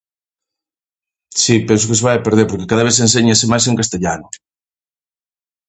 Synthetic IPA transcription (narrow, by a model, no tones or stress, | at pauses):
sipɛnsʊkɪseβajapeɾð̞eɾpoɾkekaðɐβeθs̬ẽnseɲesemajseŋkast̪eʎanʊ